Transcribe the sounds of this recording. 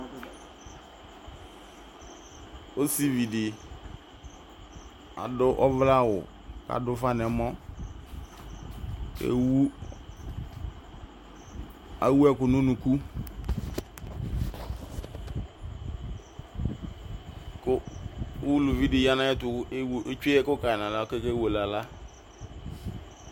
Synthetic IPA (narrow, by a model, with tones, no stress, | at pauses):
o˦si˦vi˨dɪ˨ | a̰˨dʊ˦ʔɔ˦vla˦˨wʊ˨ | ka̰˨dʊ˦fa˦nɛ˨˦mɔ˦ | kḛ˨u˦ | a̰˨wu˦ɛ˦kʊ˨no˦nu˨ku˦ | kʊ˦wu˦lo˨vi˦dɪ˨ja˦nã˦ɛ˦tʊ˨˦e˦we˦t͡ʃu˦ɛ˦kʊ˦ka˨ɛ˨nã˨la˨˦o˦ke˦ke˦wo˨la˨la˦